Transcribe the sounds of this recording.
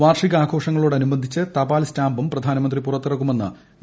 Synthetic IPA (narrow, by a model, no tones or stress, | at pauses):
ʋaːrʂiɣɐaːkʰo̞ːʂɐŋːɐɭoːɽɐnubɐnd̪ʱit͡ɕːɨt̪ɐbaːlstaːmbumprɐd̪ʱaːnɐmɐnd̪ripurɐt̪ːirɐkːume̞nːɨ̰